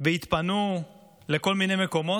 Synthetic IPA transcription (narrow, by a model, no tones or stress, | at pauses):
veit̪panu | le̞ko̞lminejme̞ko̞mo̞